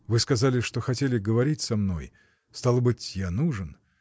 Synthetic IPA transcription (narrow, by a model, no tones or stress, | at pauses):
vɨskɐzalʲɪʂt̪oxɐtʲelʲɪɡəvɐɾʲitʲsɐmno̞̰j | st̪alˠbɨtʲjanuʐɨn